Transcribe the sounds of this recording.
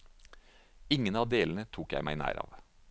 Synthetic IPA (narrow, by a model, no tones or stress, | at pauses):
ɪŋənɑːʋd̪eːln̩ət̪ʰuːkjæɪmæɪnæ̰ːɾɑ̰ːʋ